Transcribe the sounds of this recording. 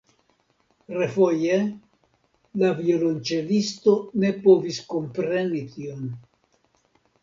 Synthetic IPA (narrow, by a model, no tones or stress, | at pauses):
ɾefoje | laviolont͡ʃelist̪o̞ne̞po̞visko̞mpɾe̞nit̪ion